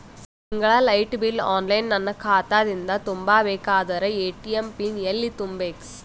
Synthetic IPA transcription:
s | ɪŋɡɐɭaːlɐɪʈbɪla̰ːnlɐjnːɐnːɐkaːt̪ːaːðɪnd̪at̪ʊmbaːʋeːkːaːðɐɾɐeːʈːiɛmpinɛlːit̪ʊmbeks

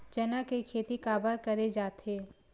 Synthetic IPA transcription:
d͡ʒɐnakekʰeːt̪ikaːbəɾkɐɾed͡ʒaːt̪eː

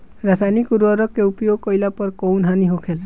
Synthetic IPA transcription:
ɾasajnikuɾuɔɾɔkeupjoɡkɔjlapɔɾkɔwnɦaniɦokʰela

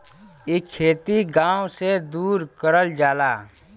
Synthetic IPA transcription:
ɪkʰːeːt̪iɡãːwsed̪uːɾkəɾəld͡ʒaːlaː

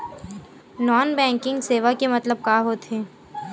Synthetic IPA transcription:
nɔːnbɛ̃ːŋkɪ̃ŋɡseːʋakemɐt̪ləb̚kaːɦoːt̪ɦẽː

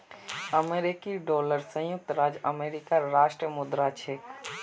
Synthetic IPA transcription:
əmeːɾɪkiɖɔːləɾsə̃jʊk̚t̪ɾaːd͡ʒəmeːɾɪkaɾaːʃʈɾəmʊd̪ɾat͡ʃʰeːk

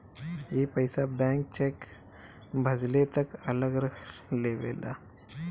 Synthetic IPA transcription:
jeːpɐɪsabɛ̃ːŋk̚t͡ʃeːk | bʱɐd͡ʒlet̪ɐkɐləɡɾəkʰleːʋḛːla̰ː

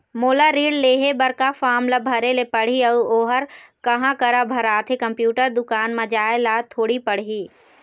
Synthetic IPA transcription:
moːlaɾiːɖleːɦebɐɾkafaːmlabʱɐɾelepɐɽ̤iɐuoːɦəɾkɐɦãkɐɾabʱɐɾaːt̪ʰekɐ̃mpjuːʈəɾd̪ʊkaːnmɐd͡ʒaːelaːt̪ʰoːɽipɐɽ̤ɦiː

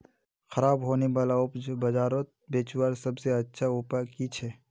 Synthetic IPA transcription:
xɐɾaːbɦoːnebaːlaʊpbɐd͡ʒaːɾot̪̚beːt͡ʃwaːɾsɐbseɐtːʃʰauːpakit͡ʃʰɛː

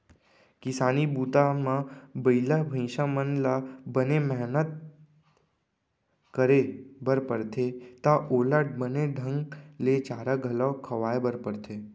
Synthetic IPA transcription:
kɪsaːnibuːt̪amãbəilabʱə̃ɪ̃ʃamənlabənemɛɦnət̪̚ | kəɾebəɾpəɾt̪ʰet̪aʔoːlabəneɖʱə̃ŋɡlet͡ʃaːɾaɡʱəlakʰəʋaːebəɾpəɾt̪ʰe

